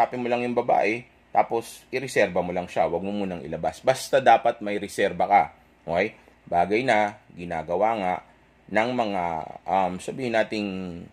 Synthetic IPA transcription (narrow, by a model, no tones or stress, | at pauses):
aːpɪmolɐŋjʊŋbɐba̰ːʔɛ | t̪a̰ːpo̞sʔɪɾɛsɛɾbɐmolɐŋʃawɐɡ̚momuːnɐŋʔɪ̰lɐbasbɐst̪ad̪aːpɐt̪̚mɐjɾɛsɛɾbɐkɐ | ʔokɛj | baːɡɐjnɐɡɪna̰ːɡɐwaːŋaʔ | nɐŋmɐŋa̰ʔɐmsɐbiːhɪnaːt̪ɪŋ